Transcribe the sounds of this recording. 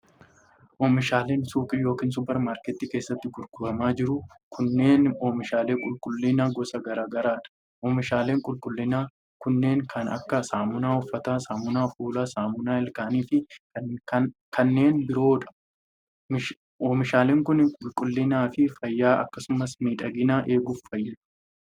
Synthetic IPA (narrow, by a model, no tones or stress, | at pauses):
ʔoːmɪʃaːleːnsuːkʼɪjo̞ːkiːns̬ʊpɛɾmaːɾkɛt̪ːiːke̞ːsːɐt̪ːɪɡʊlɡʊbɐmaːd͡ʒɪɾʊ | kʰʊnːe̞ːnoːmɪʃaːleːkʼʊlkʼʊlːɪnaːɡɔsɐɡɐɾaːɡɐɾaːᶑɐ̥ | ʔɔːmɪʃaːle̞ːŋkʼʊlkʼʊlːɪnaː | kʊnːe̞ːŋkʰɐnɐ̰kːɐsaːmʊnaːʊfːɐt̪aːsaːmʊnaːfuːlaːsaːmʊnaːɛlkaːniːfɪkɐnkʰɐnːe̞ːnbɪɾo̞ːᶑɐ̥ | mɪʃ | oːmɪʃaːleːŋkʊnɪkʼʊlkʼʊlːɪnaːfɪfɐjːaːʔɐ̰kːɐsʊmɐsmiːᶑɐɡɪnaːʔe̞ːɡʊfːɐjːɐ